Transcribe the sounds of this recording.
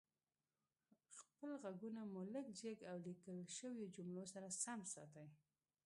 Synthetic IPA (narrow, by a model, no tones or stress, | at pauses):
xpəlɣaɡunamʊləkd͡ʒeɡawlikəlʃəwjod͡ʒʊmɽosaɾasamsɑ̰t̪aj